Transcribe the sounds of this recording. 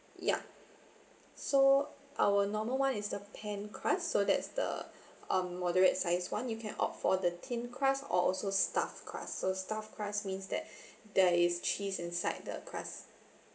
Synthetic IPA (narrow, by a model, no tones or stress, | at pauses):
ja̰ | so | ʔawənɔməlwãnɪsdəpʰɛ̃nkʰɹasːodɛ̰tsdə̰ | ʌ̃mːɔdəɹətsaɪswãnjukʰɛ̰̃nɔ̰pfɔdətʰĩnkʰɹasɔ̰ɔlsostafkʰɹa̰sːostafkʰɹasmĩnsdɛ̰t̚dɛɪst͡ʃisĩnsaɪt̚də̰kʰɹa̰s